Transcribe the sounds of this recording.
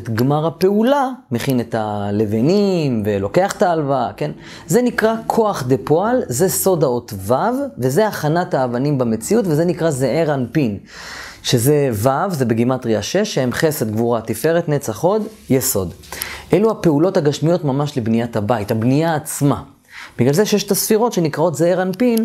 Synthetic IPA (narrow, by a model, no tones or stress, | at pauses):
t̪ɡmaʁape̞ulameχinet̪ale̞venimvelo̞ke̞aχtaːlvake̞n | ze̞nikʁakʰo̞aχd̪epo̞alze̞so̞dao̞tvavvezeaχanataːvanimbame̞t͡siutvezenikʁazeeʁanpin | ʃe̞zevavze̞beɡimat̪ʁiaʃeʃːehemχe̞sed̪ɡvuʁat̪ife̞ʁet̪net͡saχo̞d̪ | jeso̞d̪ʔeluhape̞ulo̞thaɡaʃmijo̞t̪mamaʃlebnijatabaithabnijaːt͡sma | biɡlalzeʃjeʃe̥t̪asfiʁo̞tʃe̞nikʁao̞tzeeʁanpin